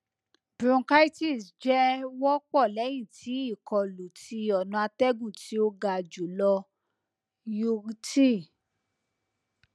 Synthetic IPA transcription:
bɾũ˧˦ka˦i˦ti˦˨sd͡ʒɛ˦wɔ˦k͡pɔ˦˨lɛ˨˦j̃ĩ˦˨tʰi˨˦i˦˨kʰɔ˧lo˨ti˧˦ɔ˨nũ˧a˧tɛ˦ɡũ˦˨ti˨˦o˦ɡa˧˨d͡ʒo˨˦lɔ˧ | jo˧ɡti˦˨

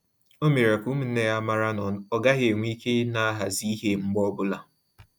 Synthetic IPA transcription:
o˦me˨ɾa˨ku˦mu˦˨n̩˦e˨ja˦ma˦ɾa˦nɔ˨ɔ˨ɡa˦ɦe˨ŋʷi˦ke˦na˦ɦa˨zi˦ɦe˦ŋ͡m̩˦ɡ͡bɔ˦bʊ˦la˨

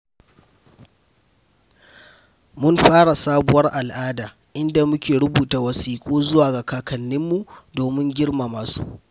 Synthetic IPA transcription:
mʊ˦nɸaː˦ɽa˨saː˦bʊ˨wɐ˦rʔa˨lʔaː˦daː˨ | ʔɪ˦nda˨mʊ˦kʲeː˨ɽʊ˦buː˨taː˨wɐ˨siː˨kʷʼoː˦zʊ˦waː˨ɡa˨kaː˨kɐ˨nːɪ˦mːu˨doː˨mɪ˦ŋɡʲɪ˦ɽma˨maː˨sṵ˦ʔ

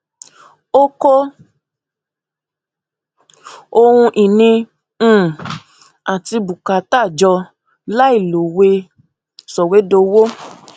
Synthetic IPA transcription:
o˦ko˦ | o˧hũ˧ʔi˨nĩ˧˦˨ | a˨ti˧bu˨ka˨ta˦˨d͡ʒɔ˧ | la˦i˦˨lo˨we˧ | sɔ˨we˨˦do˧wo˦

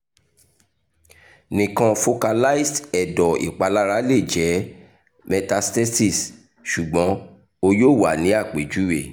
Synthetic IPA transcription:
nĩ˨kã˧fo˧ka˧la˦i˦stɛ˨dɔ˨ḭ˨k͡pa˨la˦ɾa˨˦le˦˨d͡ʒɛ˨˦ | mɛ˧ta˧stɛ˦si˦˨s | ʃu˨ɡ͡bɔ̃˨˦ | o˧joː˦˨wa˨nĩ˨˦a˦˨k͡pe˨d͡ʒu˦wḛ˦˨

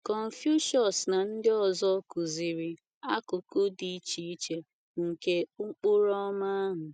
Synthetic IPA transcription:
kɔ˨n̩˨fju˦ʃɔ˨sna˨n̩˦dɪ˦ɔ˨zɔ˦kʊ˨zi˨ɾi˨ | a˦kʊ˨ko˦di˨i˦t͡ʃi˦i˦t͡ʃe˦ | ŋ̩˨ke˦ʊ˦ŋ͡mk͡pʊ˦ɾɔ˦ma˦a˦ɦʊ˨

